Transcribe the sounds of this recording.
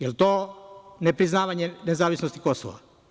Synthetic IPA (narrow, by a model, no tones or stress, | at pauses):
jelt̪oːnepɾiznaːʋaɲenezaːʋisnost̪i̥koso̰ʋa̰